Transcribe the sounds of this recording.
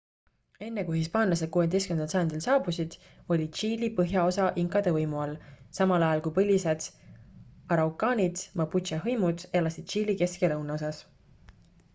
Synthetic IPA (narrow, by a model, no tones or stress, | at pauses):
e̞nːe̞kujhispɑːnlɑse̥kuwed̪ejskymenɑlsɑjɑnd̪̥ilsɑːbusid̪̥ | o̞lʲid̪̥t͡ʃiːlipɤɦjɑo̞sɑʔiŋkːˑɑd̪̥evɤjmuɑlːsɑmɑlɑjɑlkujpɤlʲise̞d̪̥ | ɑɾɑwkɑːnʲid̪̥mɑput̪ʃɑɦɤjmud̪̥elɑsid̪̥̚t͡ʃiːlike̞skelɤwnɑo̞sɑs